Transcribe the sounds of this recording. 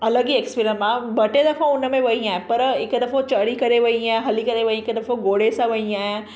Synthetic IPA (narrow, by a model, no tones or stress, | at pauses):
ɐləɡiekspiɾə̃mãbʱɐʈed̪ɐkʰõʊnəmẽʋɐiaːẽpɐɾɪkd̪ɐfot͡ɕɐɽikɐɾeʋɐiaːẽɦɐlikɐɾeʋɐĩɪkd̪ɐfoɡoːɽesãʋɐiaːɪ̃